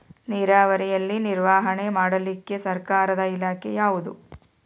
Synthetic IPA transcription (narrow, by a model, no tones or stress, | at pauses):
niːɾaːʋɐɾɛjɐlːiniɾʋaːɦɐɳe̞maːɽɐlikːe̞sɐɾkaːɾɐd̪ɐilaːkʰɛ̰jaːʋud̪ṵ